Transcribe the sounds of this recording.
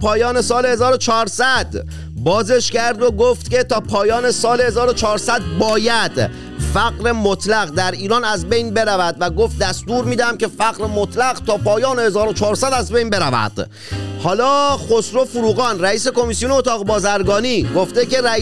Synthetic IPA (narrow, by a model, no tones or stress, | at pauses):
pʰɒːjɒːne̞sɒːlehezɒːɾot͡ʃʰɒːɾsæd̪̥ | bɒːze̞ʃcæɾd̪oɡoft̪cet̪ʰɒːpʰɒːjɒːne̞sɒːlehe̞zɒːɾot͡ʃʰɒːɾsæd̪̚bɒːjæd̪̥ | fæɣɾe̞mot̪ʰlæɣd̪æɾiːɾɒːnæzbe̞jnbe̞ɾævæd̪væɡo̞ft̪̚d̪æst̪uːɾmiːd̪æmce̞fæɣɾemot̪ʰlæɣt̪ʰɒːpɒːjɒːnehezɒːɾot͡ʃʰɒːɾsæd̪æzbejnbe̞ɾævæ̰d̪̥ | hɒːlɒːχosɾo̞fuɾuːɣɒːnɾæiːse̞ko̞misijoneot̪ʰɒːɣbɒːzæɾɡɒːniːɡoft̪eke̞ɾæ